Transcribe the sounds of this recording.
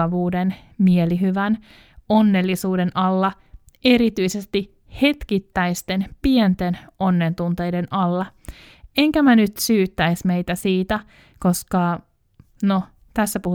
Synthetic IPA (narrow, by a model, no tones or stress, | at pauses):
ɑʋuːden | mieliɦyʋæn | onːelːisuːdenʔɑlːɑ | e̞ɾit̪yise̞st̪i | he̞t̪kit̪ːæjst̪e̞npient̪eno̞nːent̪unt̪e̞jdenʔɑlːɑ | eŋkæmænyt̪syːt̪ːæjsme̞jt̪æsiːt̪æ | ko̞skɑ | no | t̪æsːæpuh